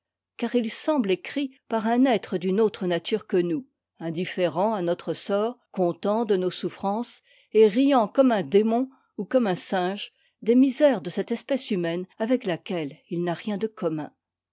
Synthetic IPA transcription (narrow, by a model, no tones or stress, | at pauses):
kaʁilsɑ̃blekχipaʁɛ̃nɛt̪χəd̪ynot̪χənat̪ʰyʁkənu | ɛ̃d̪ifeʁɑ̃anɔt̪χəsɔːʁkɔ̃t̪ɑ̃d̪ənosufχɑ̃s | eʁijɑ̃kɔmɛ̃d̪emɔ̃ | ukɔmɛ̃sɛ̃ʒ | d̪emizɛʁd̪əsɛt̪ɛspɛsymɛnavɛklakʲɛlilnaʁjɛ̃d̪əkɔmɛ̰̃